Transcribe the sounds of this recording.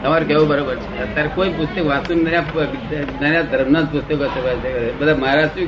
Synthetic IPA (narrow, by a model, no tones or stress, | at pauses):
t̪əmaɾukeʋũbəɾobəɾt͡ʃʰet̪ːaɾkoipust̪əkʋãsunnəɾja | nəɾjad̪ʱəɾmnət̪pust̪əkəsepət͡ʃʰekd̪abəd̪ʱaməɦaɾaʈɾĩ